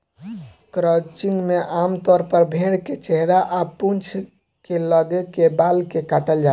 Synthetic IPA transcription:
kɾət͡ʃiŋɡmeʔamt̪ɔɾpəɾbʱeɽket͡ʃeɦɾaʔapunt͡ʃʰ | keləɡekebalkekaʈəld͡ʒa

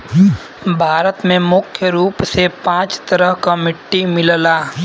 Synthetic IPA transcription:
bʱaːɾət̪mẽmʊkʰːjəɾuːpsepãːt͡ʃt̪əɾəɦkamɪʈːimɪllaː

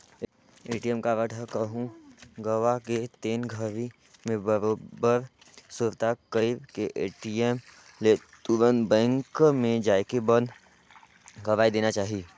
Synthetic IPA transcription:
eːʈijemkaʋəʈʰakɐɦũɡɐʋaket̪eːnɡʱəʋi | mẽbəɾoːbəɾ | sʊɾt̪akəɾiːbkeʔeːʈiem | le | t̪uɾənbɛ̃ːŋkmẽd͡ʒaːjkebənd̪ | ɡɐʋaːid̪eːnat͡ʃaːɦieː

